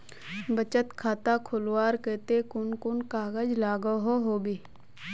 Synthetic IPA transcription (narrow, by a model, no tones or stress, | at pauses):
bət͡ʃət̪kʰaːt̪akʰʊlwaːɾkeːt̪ekʊnkʊnkaːɡəd͡ʒlaːɡəɦoɦoːbi